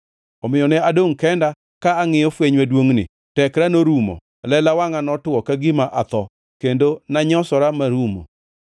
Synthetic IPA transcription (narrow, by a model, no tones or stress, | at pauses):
ɔmɪjɔnɛadoŋkɛnda | kaːŋɪjɔfweɲwadwoŋnɪ̰ | tɛkɾanoɾumɔ̰ | lɛlawaŋanɔtwɔkaɡɪmaʔat̪ɔ | kendonaɲɔsɔɾamaɾumo̰